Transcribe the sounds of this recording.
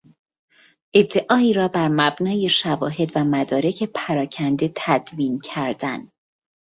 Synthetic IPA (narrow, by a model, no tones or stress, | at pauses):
ʔe̞d̪ːe̞ʔɒːiːɾɒːbæɾmæbnɒːje̞ʃævɒːɦe̞d̪væmæd̪ɒːɾe̞cʰe̞pʰæɾɒːcʰænd̪e̞t̪ʰæd̪viːncʰæɾd̪æn